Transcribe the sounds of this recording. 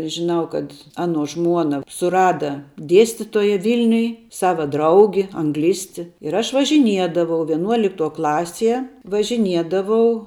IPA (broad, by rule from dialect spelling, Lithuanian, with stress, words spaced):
ʒʲɪˈnɐʊ kɐt ˈɑːnuɔ ˈʒmuɔnɐ sʊˈrɑːdɐ ˈdʲiɛsʲtʲɪtoːjɛ ˈʋʲɪlʲnʲʊj ˈsɑːʋɐ ˈdrɐʊɡʲɪ ɐŋˈɡlʲɪsʲtʲɪ ɪr ˈɐʃ ʋɐʒʲɪˈnʲiɛdɐʋɐʊ ʋʲiɛˈnuɔlʲɪktuɔ ˈklˠɑːsʲiɛ ʋɐʒʲɪˈnʲiɛdɐʋɐʊ